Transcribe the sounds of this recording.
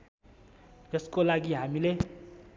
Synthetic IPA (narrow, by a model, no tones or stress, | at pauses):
eskolaɡiɦamile